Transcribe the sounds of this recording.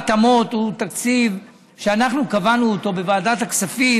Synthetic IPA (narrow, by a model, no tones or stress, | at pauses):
t̪amo̞t̪ut̪akt͡siv | ʃeanaχnukavanuot̪o̞be̞vaːdat̪akt͡safi